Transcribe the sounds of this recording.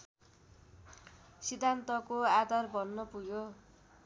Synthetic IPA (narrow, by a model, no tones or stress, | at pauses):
sid̪ʱant̪ʌkoad̪ʌrbʱʌnːʌpuɡjo